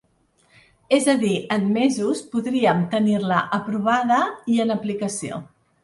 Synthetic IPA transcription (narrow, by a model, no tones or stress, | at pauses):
ezəðiənmezuspuðɾiəmt̪əniɾləʔəpɾuβ̞aðəiənəplikəsio̰